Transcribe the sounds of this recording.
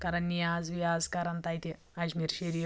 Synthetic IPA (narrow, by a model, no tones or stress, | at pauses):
kɐɾɐnʲːijaːzʋjaːzkɐɾɐnt̪ɐjt̪i | ɐd͡ʒmiɾʃeɾi